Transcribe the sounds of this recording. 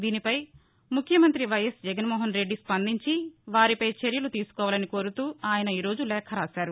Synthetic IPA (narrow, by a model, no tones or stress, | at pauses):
d̪iːnipɐj | mukʰjɐmɐnt̪ɾiʋɐjɐsd͡ʒɛɡɐnmɔːɦɐnɾe̞ɖːispɐnd̪iɲt͡ʃiʋaːɾipɐjt͡ʃeɾjɐlut̪iːsu̥kɔːʋaːlɐniko̞ːɾut̪uːaːjɐnɐiːɾo̞ːd͡ʒulɛːkʰɐɾaːsaːɾu